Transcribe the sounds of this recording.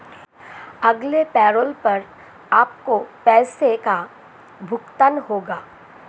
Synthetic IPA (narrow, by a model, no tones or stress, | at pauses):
ɐɡlepɛːɾoːlpɐɾ | aːp̚kopɛːseka | bʱʊkt̪ənɦoːɡaː